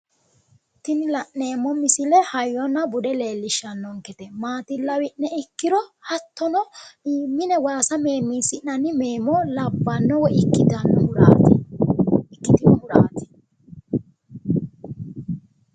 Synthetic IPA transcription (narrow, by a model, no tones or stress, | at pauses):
t̪ɪnɪlɐʔːe̞ːmːɔmɪsɪlɛhɐjːɔnɐbʊd̪ɛle̞ːlːɪʃːɐnːɔŋkɛt̪ɛmaːt̪ɪlːɐwɪʔnɛɪkːɪɾɔhɐt̪ːɔnɔmːɪnɛwaːsɐmeːmːinsɪʔnɐnɪmeːmɔlɐbːɐnːɔwɔɪkːɪt̪ɐnɾa | ɪkːɪt̪ɪnʊɾaːt̪ɪ̥